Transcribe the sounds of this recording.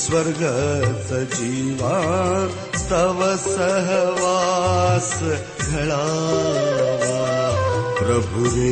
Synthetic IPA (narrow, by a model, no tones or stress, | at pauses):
swɐɾɡʱɐsɐt͡ʃiːʋaː | st̪ɐʋɐsɐɦʋaːs | ɡʱɐɭaː | ʋaːpɾɐbʱuʋe